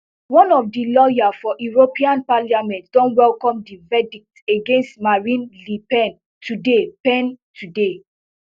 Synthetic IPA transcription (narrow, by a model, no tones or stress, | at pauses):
wɔ̃nɔfdilɔjafɔʔuɹopiãnpaliamɛ̃ntdɔ̃nwɛlkɔ̃mdivɛdik̚teɡẽnstmaɹĩnlipɛ̃n | tudepɛ̃ntude